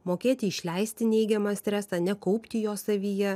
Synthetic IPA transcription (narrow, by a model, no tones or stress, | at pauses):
moːkʲeːt̪ʲɪɪʃʲlʲɛɪsʲt̪ʲɪnʲɛɪɡʲɛmɑːsʲt̪ʲɾʲæːsɑːnʲɛkɒʊpʲt̪ʲɪjoːsɐʋʲijɛ